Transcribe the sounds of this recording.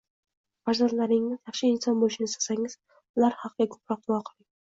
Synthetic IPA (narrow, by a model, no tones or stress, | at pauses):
faɾzand̪laɾɪŋɪzjɑχʃɪɪnsɒnbolɪʃɪnɪst̪ḁsaŋɪz̥ | ʊlaɾhɑqɨɡʲakʰɵ̥pɾɒq̚d̪ʊwɒqʰɨlˠɪŋ